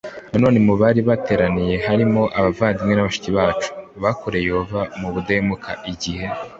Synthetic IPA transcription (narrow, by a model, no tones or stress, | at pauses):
nano̞ːne̞muβaɾiβate̞ːɾanije̞ɦaɾimo̞ʔaβavaːndimŋe̞naβaʃu̥ciβaːt͡ʃu̥βakoɾe̞jehovamuβudeemukʰaʔiɟihe̞